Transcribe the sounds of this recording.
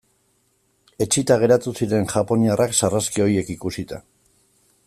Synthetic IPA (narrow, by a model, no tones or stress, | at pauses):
e̞t͡ʃit̪aɣ̞e̞ɾat̪usiɾe̞nʝapo̞niarʔaksaraskio̞je̞kikusit̪a̰